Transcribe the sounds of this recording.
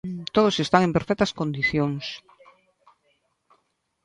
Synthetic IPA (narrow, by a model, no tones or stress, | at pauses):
t̪oð̞ʊsest̪aŋempeɾfɛk̚t̪ɐskond̪iθjoŋs